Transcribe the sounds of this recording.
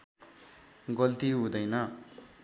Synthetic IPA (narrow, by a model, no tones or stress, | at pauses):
ɡʌlt̪iɦũd̪ʌjnʌ